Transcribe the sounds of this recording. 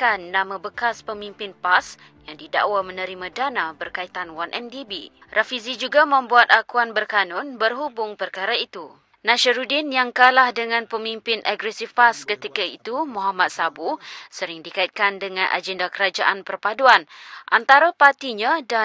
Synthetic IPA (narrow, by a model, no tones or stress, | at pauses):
kanːãmãbəkaspəmimpɪnpas | jaŋdida̰ʔwamə̃nə̃ɾimãdanãbərkait̪anwanʔɛmdibḭrʔafizid͡ʒuɡamə̃mbuat̪akuanbərkanʊ̃nbərɦubʊŋpərkaɾait̪u | nãʃəɾudɪnjaŋkalahdəŋãnpəmimpɪnʔaɡɾɛsifpaskət̪ikaḭt̪umɔ̃ɦamat̪̚sabusəɾɪŋdikait̪̚kandəŋãnʔa̰d͡ʒɛndakəɾad͡ʒaʔanpərpaduanʔant̪aɾapat̪iɲãda